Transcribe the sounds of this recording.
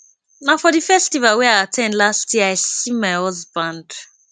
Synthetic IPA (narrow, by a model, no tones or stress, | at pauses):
naʊfɔðifɛstivalwiaɪatʰɛ̃ndlastʰjiəaɪsĩmaɪhɔzbãnd̥